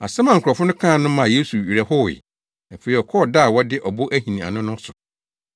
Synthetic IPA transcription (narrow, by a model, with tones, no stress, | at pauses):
a˨sɛ̃˦mã˨ŋ̩˨kʰʊ˨ɔ˨fʊ˦nʊ̃˦kʰãː˦˨nʊ̃˦mã˨je˦su˨ɥi˨ɾɛ˨hʊ˦wɪ̰˨ | æ˨fe˨ɾi˨ɔ˨kʰɔ˦˨da˦˨wɔ˦dɪ˦ʔɔ˨bʊ˦ʔæ˦hĩ˨nĩ˨a̰˨nʊ̃˦nʊ̃˦sʊ˨